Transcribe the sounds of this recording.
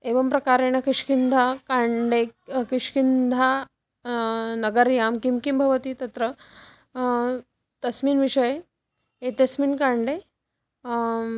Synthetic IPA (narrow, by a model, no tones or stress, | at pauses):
eʋəmpɾɐkaɾeñɐkiʂkind̪ʱakaɳɖekiʂkind̪ʱa | nɐɡəɾjaːmkimkimbʱɐʋət̪iːt̪ɐt̪ɾə | t̪ɐsmiːnʋiʂəj | et̪ɐsmiːnkaɳɖe